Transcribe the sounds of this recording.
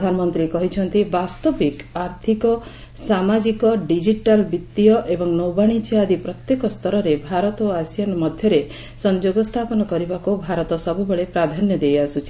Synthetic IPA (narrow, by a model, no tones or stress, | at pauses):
d̪ʱanɔmɔnt̪ɾikɔɦit͡ʃʰɔnt̪ibast̪ɔbikaɾt̪ʰikɔ | samad͡ʒikɔɖid͡ʒiʈalbit̪ːijɔʔebɔŋnɔwbaɽ̃it͡ʃad̪ipɾɔt̪jekɔst̪ʰɔɾɔɾebʱaɾɔt̪ːasijanmɔd̪ʱjɔɾe | sɔnd͡ʒoɡɔst̪ʰapɔnɔkɔɾibakubʱaɾɔt̪ɔsɔbubeɭepɾad̪ʱanjɔd̪ejasut͡ʃʰi